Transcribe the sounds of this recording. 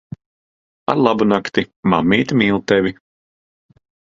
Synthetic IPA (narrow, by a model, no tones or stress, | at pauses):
a̰ɾlˠabunakt̪imamːiːt̪imiːlˠt̪ɛvʲi